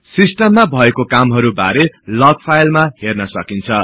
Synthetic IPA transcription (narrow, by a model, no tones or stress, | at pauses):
sisʈʌmːabʱʌekokamɦʌɾubaɾelʌɡ̚pʰajlmahernʌsʌkint͡sʰʌ